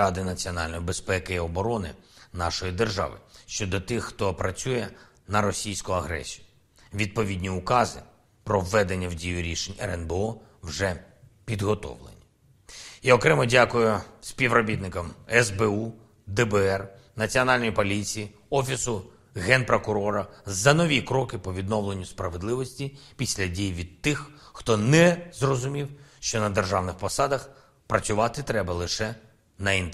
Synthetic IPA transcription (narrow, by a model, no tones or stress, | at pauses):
ɑd̪ɪnɐt͡sʲiɔnɑlʲnɔjibespɛkɪiɔbɔɾɔnɪ̰nɑʃɔjid̪erʒɑ̰ʋɪ̰ʃt͡ʃɔd̪ɔt̪ɪxːt̪ɔpɾɐt͡sʲujɛ | nɐɾɔsʲijsʲkʊɐɦɾɛ̰sʲijʊ | ʋʲid̪̚pɔʋʲidʲnʲiʊkɑzɪ̰ | pɾɔwːɛd̪e̞nʲːɐwdʲijʊɾʲiʃenʲɛ̰ɾɛnbeɔ | wʒɛ | pʲid̪ɦɔt̪ɔ̰ʋlˠḛnʲi | jaɔkɾɛmɐdʲakʊjʊsʲpʲiʋrɔbʲit̪nɪkɐmɛzbɛu | d̪ɛbɛɛr | nɐt͡sʲiɔnɑlʲnɔjipɔlʲit͡sʲiji | ɔfʲisʊ | ɣɛnpɾɔkʊɾɔɾɐzɐnɔʋʲikɾɔkɪpɔʋʲid̪nɔwlˠe̞nʲːʊspɾɐʋed̪lˠɪʋɔsʲtʲipʲisʲlʲɐdʲijʋʲid̪̚t̪ɪxːt̪ɔnɛzrɔzʊmʲiwʃt͡ʃɔnɐd̪erʒɑwnɪxpɔsɑd̪ɐx | pɾɐsʲʊʋɑt̪ɪt̪ɾɛbɐlˠɪʃɛ | nɐint̪